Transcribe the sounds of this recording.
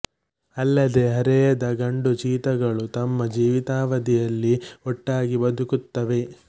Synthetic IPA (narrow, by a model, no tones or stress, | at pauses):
ɐlːɐd̪e̞ɦɐɾɛjɐd̪ɐɡɐɳɖut͡ʃiːt̪ɐɡɐɭut̪ɐmːɐd͡ʒiːʋit̪aːʋɐd̪ijɐlːiɔʈːaːɡibɐd̪ukut̪ːɐʋe̞